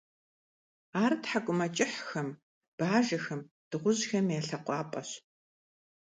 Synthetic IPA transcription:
aːrtħakʷʼʊmɐt͡ʃʼɪħxɐm | b̥aːʒɐxɐm | d̥ɨʁʷʊʑxɐmjaːɬɐqʷɑːpʼɐɕ

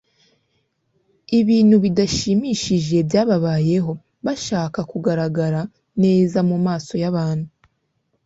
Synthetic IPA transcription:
iβiːnhuβidaʃimiʃiʒe̞bjaːβaβaːje̞ɦo̞ | βaʃaːkakuɡaɾaɡaɾa | ne̞ːzamumaːso̞jaβaːn̥hu

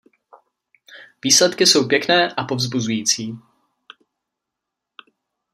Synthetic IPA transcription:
viːslɛt̪kɪsowpjɛknɛːʔapo̞vzbuzujiːt͡siː

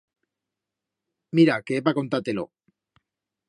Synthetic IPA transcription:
miɾakeepako̞nt̪at̪elo̞̰

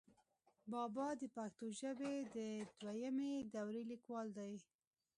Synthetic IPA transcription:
bɑbɑd̪əpaxt̪oʒəbed̪əd̪wajamed̪awɾelikwɑld̪aj

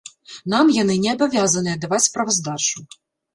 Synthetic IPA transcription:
namjɐnɪnʲɛɐbɔvʲjazɐnɨɐd̪ɐvatʲspɾɐvɐzd̪ɑʂʊ

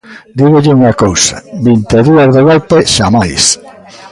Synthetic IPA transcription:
d̪iɣoʎɪuŋɐkowsɐ̰bint̪eðuɐzðeɣolpeʃamajs

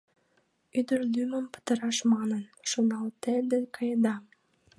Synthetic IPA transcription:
yd̪ərlyməmpə̥t̪əɾɑʃmɑnənʃonɑlt̪ed̪ekɑjəd̪ɑ

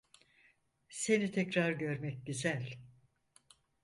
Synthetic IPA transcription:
se̞nit̪ʰɛcɾaɾɟø̞ɾmɛc̚ɟyzælʲ

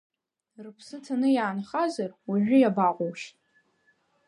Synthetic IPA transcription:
rɨpʰsɨtʰanɨjaːnχazarwaʕʷᶣʊjabaqʷʼowʃtʼ

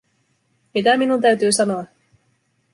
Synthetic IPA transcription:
mit̪æminunt̪æɥt̪yːsɑno̞ɑ

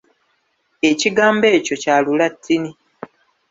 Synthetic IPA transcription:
e̞ciɡaːmbe̞ːco̞caːlulatʰːini

